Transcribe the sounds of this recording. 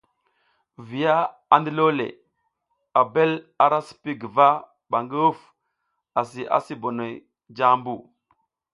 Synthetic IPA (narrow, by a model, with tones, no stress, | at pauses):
vi˨ja˦ | a˨ndə˦lo˦lḛ˨ | a˨be˦l | a˨ɾa˦si̥˨pi˦ɡə˨va˦ | ba˨ŋɡə˦u˦f | a˨s̬i˨ʔa̰˨si˦bo˨no˨j | d͡ʒa˦mbu˨